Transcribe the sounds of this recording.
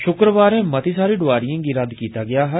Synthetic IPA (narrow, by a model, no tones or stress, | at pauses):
ʃʊkɾəʋaːɾẽːmət̪iːsaːɾiːɖʊʋaːɾijãːɡiːɾəd̪kiːt̪aːɡɪaːɦə